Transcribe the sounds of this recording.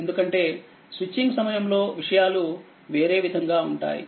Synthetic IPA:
end̪ukɐɳʈe̞ː | sʋit͡ʃːiŋɡsɐmɐjɐmlo̞ːʋiʂɐjaːlu | ʋe̞ːɾe̞ːʋid̪ʱɐŋɡaːuɳʈa̰ːjḭ

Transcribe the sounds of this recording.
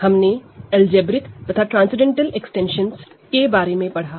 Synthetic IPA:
hɐmneɛld͡ʒeːbɾɪkt̪ɐt̪ʰaʈɾãːnsɪɖẽɳʈəleksʈẽːnʃəns | kebaːɾemẽpɐɽ̤aː

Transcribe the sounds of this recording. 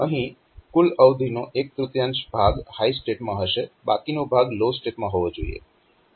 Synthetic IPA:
əɦĩ | kuləwd̪ʱinoʔek̚t̪ɾut̪jant͡ʃbʱaɡhaisʈeʈmãɦəʃeba̰kinobʱaɡlosʈeʈmãɦoʋod͡ʒoḭḛ

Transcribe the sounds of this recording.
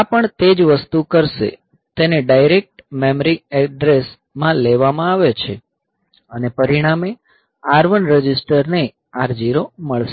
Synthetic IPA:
apəɳt̪ed͡ʒʋəst̪ukəɾʃḛ | t̪eneɖajɾek̚ʈmemɾiɛɖɾes | mãleʋamãaʋet͡ʃʰe | ənepəɾiɽ̃ame | aɾʋənɾəd͡ʒɪsʈəɾne | aɾd͡ʒiɾoməɭʃe

